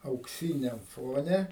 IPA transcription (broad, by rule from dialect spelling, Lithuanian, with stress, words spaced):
ɐʊkˈsʲiːnʲɛm ˈfoːnʲɛ